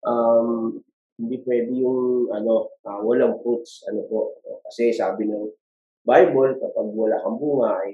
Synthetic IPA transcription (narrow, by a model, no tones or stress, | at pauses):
ʔam | hhɪnd̪ipwɛːd̪ɪjʊŋʔɐno̞ʔawɐlaŋpɾut̪̚sʔɐ̰nopo̞ʔokɐsɛsaːbɪnɐŋ | bajbolkɐpaɡ̚wɐlaːkɐmbuːhaj